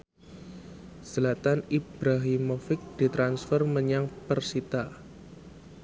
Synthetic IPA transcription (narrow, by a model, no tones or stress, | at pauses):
səlat̪anib̥ɾaɦimofɪk̚d̪̥i̤t̪ɾansfərməɲaŋpərsit̪a